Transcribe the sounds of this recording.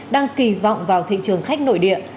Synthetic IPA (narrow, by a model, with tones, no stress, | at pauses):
ɗaː˧ŋki˨˩vɔ̰˧˨wŋ͡mvaː˨˩wt̪ʰḭ˧˨t͡ɕɨ˨˩əŋxa˦˥jk̟̚no̰˧˨jɗḭ˧˨ə